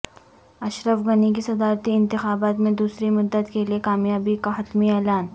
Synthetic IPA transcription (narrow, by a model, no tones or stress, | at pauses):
ɐʃɾəfɡɐnikisɐd̪aːɾt̪iɪ̃nt̪ɪxaːbaːt̪mẽd̪uːsɾimʊd̪ːəd̪keliekaːmjaːbikaɦɐt̪miɛːlaːn